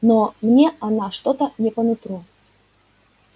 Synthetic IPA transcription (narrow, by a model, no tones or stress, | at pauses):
nomnʲeɐnaʂt̪ot̪ənʲɪpənʊt̪ɾu